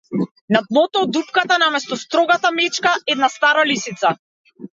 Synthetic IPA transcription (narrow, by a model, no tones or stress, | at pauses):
nat̪lˠɔt̪ɔːd̪upkat̪anamɛst̪ɔst̪ɾɔɡat̪amɛt͡ʃkaʔɛd̪nast̪aɾalisit̪sa